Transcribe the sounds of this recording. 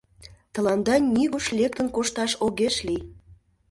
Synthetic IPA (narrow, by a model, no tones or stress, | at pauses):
t̪ɤ̆lɑnd̪ɑnʲiɣuʃlʲek̚t̪ə̆nkoʃt̪ɑʃoɣeʃlʲij